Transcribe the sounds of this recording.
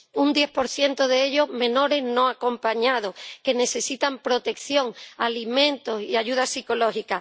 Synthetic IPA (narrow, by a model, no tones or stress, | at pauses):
und̪je̞hpo̞ɾθje̞nt̪oðeeʎo̞ɦmẽ̞no̞ɾeznõ̞ako̞mpaɲað̞ohke̞ne̞se̞sit̪ampɾo̞t̪e̞kθjo̞ŋalimẽ̞nt̪osiaʎuð̞asiko̞lo̞hika